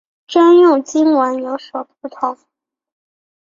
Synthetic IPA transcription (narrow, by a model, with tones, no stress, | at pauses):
ʈ͡ʂa˥njʊ˥˩ŋt͡ɕi˥nwə˧˥njo˧˥ʊswɔ˨˩u˥˩t̪ʰʊ˧˥˦ŋ